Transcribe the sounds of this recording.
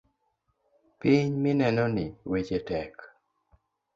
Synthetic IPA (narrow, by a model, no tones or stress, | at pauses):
piɲmɪnɛnɔnɪwet͡ʃetɛk